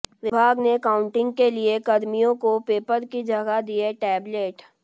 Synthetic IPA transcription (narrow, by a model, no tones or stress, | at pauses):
ʋɪbʱaːɡnekaːʊ̃ɳʈɪ̃ŋɡkeliekɐd̪mijõkopeːpəɾkid͡ʒʱɐɡad̪ieʈɛːbleːʈ